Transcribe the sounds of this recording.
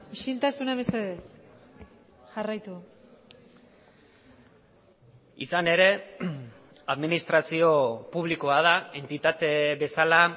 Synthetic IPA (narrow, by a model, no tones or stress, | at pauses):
iʃilt̪asunaβeseðe | ʝarajt̪u | ḭsane̞ɾe̞ | aðminist̪ɾasio̞puβ̞likoað̞ae̞nt̪it̪at̪e̞βe̞sala